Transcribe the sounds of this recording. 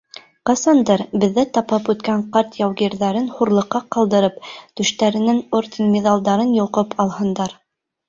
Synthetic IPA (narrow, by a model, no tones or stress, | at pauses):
qɑsɑnd̪ɤɾbɘ̆ðːæt̪ɑpɑpʉt̪kæɴqɑɾt̪jɑwɡiɾðæɾɘnhuɾlˠɤ̆qːɑqɑlˠd̪ɤ̆ɾɤpt̪ʉ̆ʃt̪æɾɘ̆nɘŋoɾt̪ʲinmʲeðɑlˠd̪ɑɾɤnjŏqɤpʰɑlˠhɤ̆nd̪ɑɾ